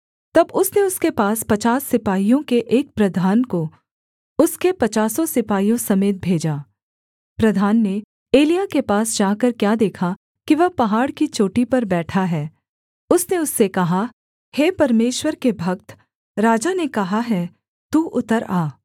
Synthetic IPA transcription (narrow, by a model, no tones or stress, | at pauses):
t̪ɐbʊsneʊskepaːspɐt͡ʃaːsːɪpaːijõkeʔeːk̚pɾɐd̪ʱaːnko | ʊskepɐt͡ʃaːsosɪpaːijõsɐmeːt̪̚bʱeːd͡ʒaː | pɾɐd̪ʱaːnːe | eːlijakepaːsd͡ʒaːkɐɾkjaːd̪eːkʰa | kiʋɐɦpɐɦaːɽkit͡ʃoːʈipɐɾbɛːʈʰaɦɛː | ʊsneʊsːekɐɦa | heːpɐɾmeːʃwəɾkebʱɐk̚t̪ | ɾaːd͡ʒanekɐɦaɦɛː | t̪uːʔʊt̪əɾaː